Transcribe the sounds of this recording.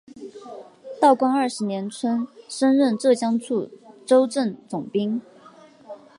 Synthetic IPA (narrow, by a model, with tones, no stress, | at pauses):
t̪ɑ˥˩ʊkwa˥ŋə˞˥˩ʂɻ̩˧˥njɛ˧˥nt͡sʰwə˥nʂə˥nɻə˥˧nʈ͡ʂɤ˥˩ɕjɑ˥ŋt͡sʰu˥˩ʈ͡ʂo˥ʊʈ͡ʂə˥˩nt͡sʊ˨˩ŋpi˥ŋ